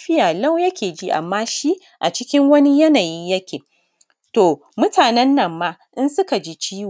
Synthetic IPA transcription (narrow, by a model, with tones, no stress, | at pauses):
ɸɪ˦jaː˨la˦wjɐ˦kʲeː˨d͡ʒi˦ʔa̰˨mːaː˦ʃi˦ | ʔa˨t͡ʃɪ˦kʲɪ˦ŋwɐ˦ni˦jɐ˦naː˨ji˦jɐ˦kʲeː˨ | toː˨ | mʊ˦taː˨nɛ˦nːɐ˨mːaː˦ʔɪ˦nsʊ˦ka˨d͡ʒiː˦t͡ʃiː˦w